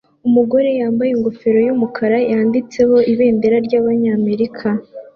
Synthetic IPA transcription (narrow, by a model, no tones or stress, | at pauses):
umuɡo̞ɾe̞jaːmbajiŋɡo̞fe̞ɾo̞jumukʰaɾajaːndit͡se̞ho̞ʔiβe̞ːnde̞ɾaɾɟaːβaɲaːme̞ɾikʰa